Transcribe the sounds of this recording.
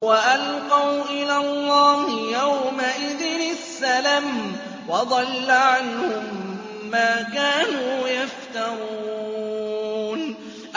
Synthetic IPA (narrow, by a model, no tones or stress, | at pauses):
waʔalqɑwʔɪlaːlˤːɑːhɪjawmaʔɪðɪnɪsːalam | wɑd̪ˤɑlːaʕanhʊmː | aːkaːnuːjaft̪aɾˤuuː | n | ʔ